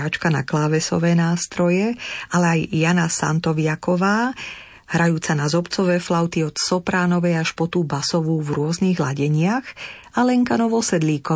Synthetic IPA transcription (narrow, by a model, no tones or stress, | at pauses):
aːt͡ʃkana̰klaːʋɛsɔ̰ʋɛːnaːst̪ɾɔjɛalɛajːanasa̰nt̪ɔʋɪakɔʋaː | hɾʔajuːt͡sanazɔpt͡sɔʋɛːflaʊt̪iɔt̪sɔpɾaːnɔʋɛjaʃpɔt̪uːbasɔʋuːvɾʊɔzniːɣla̰ɟɛɲɪaɣalɛŋkanɔʋɔsɛd̪liːkɔ